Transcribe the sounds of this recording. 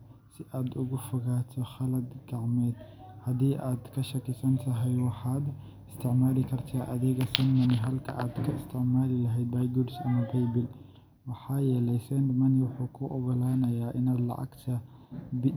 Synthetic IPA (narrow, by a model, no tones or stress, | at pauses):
sɪʔaːd̪ʊɣʊfʊɣaːt̪ʰɔχɐlɐd̪ɡɑʕmɛːd̪ | hɐd̪iːʔaːd̪kʰɐʃɐkʰɪsɐnt̪ʰɐɦɛjwɑħɑːd̪ | ɪst̪ʰɪʕmaːlɪkʰɐrt̪ʰaːʔɐðɛɣɐsɛnmɐnɪɦɐlkʰɐ̰ʔaːd̪kʰɐɪst̪ʰɪʕmaːlɪlɐɦɛjd̪̚baːjɡʊɖsɐmɐbɛjbɪl | wɑħɑːjɛːlɛjsɛnd̪mɐnɪwʊħuːkʰʊʔɔɣɔlaːnɐjaːʔɪnaːd̪lɐ̰ʔɑ̰ɡt̪ʰɐb